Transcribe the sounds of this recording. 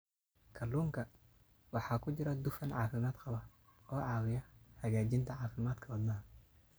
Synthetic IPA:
kʰɐlːuːŋkʰɐ | wɑħɑːkʰʊt͡ʃɪɾɐd̪ʊfɐnʕɑːfɪmaːd̪qɑβɐɔːʕɑːwɪjɐhɐɣaːd͡ʒɪnt̪ʰɐʕɑːfɪmaːd̪kʰɐwɐd̪naɦɐ

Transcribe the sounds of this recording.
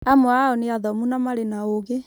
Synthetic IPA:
amɔaɔneaðɔmunamaɾenaoɣe

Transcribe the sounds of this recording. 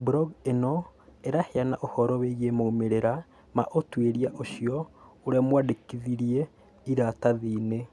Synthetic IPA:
buɾɔɡenɔeɾaheanaʔohɔɾɔweɣemoumeɾeɾa | maʔotweɾiaʔoʃiɔoɾeamwadekiðiɾie | iɾataðiːne

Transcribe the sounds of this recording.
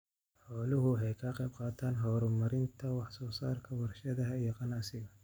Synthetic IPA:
ħɔːlʊɦʊɦɛjkʰɐqɑjb̚qɑːt̪ʰaːnɦɔːɾɔmɐɾɪnt̪ʰɐwɑħsɔːsaːrkʰɐwɐrʃɐðɐɦɐijɔqɑnaʔsɪɣɐ

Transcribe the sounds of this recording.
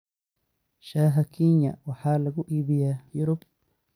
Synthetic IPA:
ʃaːɦɐkʰinɐ̰wɑħaːlɐɣʊʔiːβɪjaːjʊɾʊb

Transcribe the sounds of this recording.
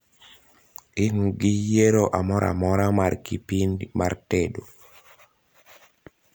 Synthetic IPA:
ɪŋuɡijeɾoʔamɔɾʔa̰mɔɾamarkipinmartedo

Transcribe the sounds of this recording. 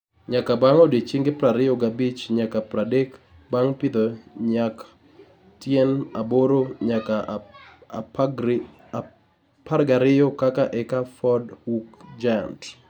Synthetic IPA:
ɲakabaŋodet͡ʃiŋɡɪpɾaɾɪjɔɡabit͡ʃɲakapɾadek | baŋpɪd̪oɲaka | tjɛnaboɾoɲaka̰ | paɾɡaɾɪjɔkakaʔɛkafɔdhukd͡ʒant

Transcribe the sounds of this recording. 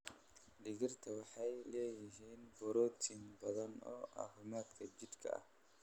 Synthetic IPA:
ɖɪɣɪrt̪ʰɐwɑħɐjlɛːjɪɦiːnbɔɾɔːt̪ʰinbɐðɐnɔ̰ʔa̰hʊmaːt̪kʰɐd͡ʒɪd̪kʰɐ̰ʔɐ̰h

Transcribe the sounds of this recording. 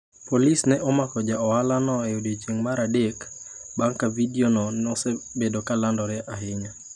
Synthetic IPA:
polisnɛʔɔmakɔd͡ʒaɔalanɔɛodot͡ʃeŋmaɾadek | baŋkavidionɔnɔsɛbedokalandɔɾɛʔaɦɪɲa

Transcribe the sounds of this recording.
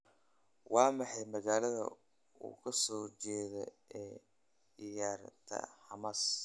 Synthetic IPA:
wɑːmɑħɑjmɐɣaːlɐðɐ̰ | ṵːkʰɐsɔːt͡ʃɛːðɔ̰ | ɛː | ɪjaːrt̪ʰɐ̰ħɑmaːs

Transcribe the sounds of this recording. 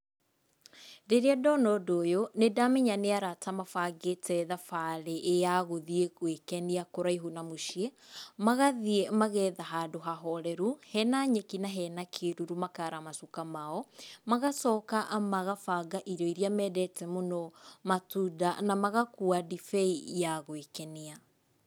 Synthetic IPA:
deɾeɛdɔnɔdojonedameɲaneaɾatamafaɡetɛðafaɾeʔːjaɣoðiekwekɛniakoɾaiɦunamoʃiemaɣaðiemaɣɛːðaɦaːdoɦaɦɔɾɛɾuhɛnaɲekinaɦɛnakʰeɾuɾumakaɾamasukamaɔmaɣasɔːkamaɣafaɡaʔiɾɔiɾiamɛːdɛtɛmonɔmatuda̰namaɣakuadifɛijaɣwekɛnia

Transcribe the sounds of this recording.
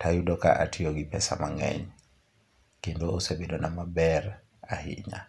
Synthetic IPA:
tʰajudɔka̰ʔatʰijoɡipɛsamaŋɛ̰ɲ | kendoosebedonamabɛr | ahḭɲa̰

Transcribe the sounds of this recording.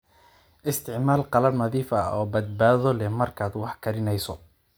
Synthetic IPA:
ʔɪst̪ʰɪʕmaːlqɑlɐbnɐðiːfɐɔːbɐd̪̚baːðɔlɛmɐrkʰaːd̪wɑħkʰɐɾɪnɛjsɔ

